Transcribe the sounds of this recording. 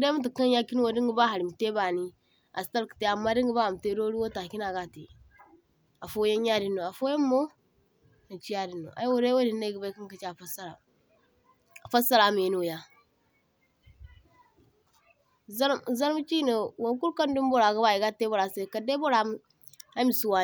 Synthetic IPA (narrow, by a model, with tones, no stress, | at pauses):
de˦mu˦t̬i˨ka˦ja˦ki˦n˦wo˨di˦ŋɡi˦ba˦ɦa˨ɾi˨m˨te˦ba˨ni˦ | a̰˨sta˦lkə̥˨te˦a˨mːa˦di˦ŋɡə˨ba˦a˨m˨te˦do˦ɾi˦wo˦ta˨ki˦na˨ɡa˦˨tḛ˨ | a˨fo˦je˦n˦ja˦di˦nːo˨a˨fo˦je˦mːo˦ | nə˨t͡ʃi˦ja˦di˨nːo̰˨ʔa̰˨˦wo˨ɾe˦wo˦di˨nːe˦ɡə˨ba˦ki˦ŋkə˨t͡ʃa˨fa˦sa˦ɾa˨ | a˨fa˦sa˦la˨m˨nu˨wo˨ja˦ | za˦ɾza˦ɾm˦t͡ʃi˦no˨wo˨˦ku˦lka˦ndu˦m˦bo˦ɾa˨ɡə˦ba˦˨ji˨ɡa˦te˦bo˨ɾa˨se˦˨ka˨de˦bo˦ɾa˨m˦ | a˦mi˨su˨wa˨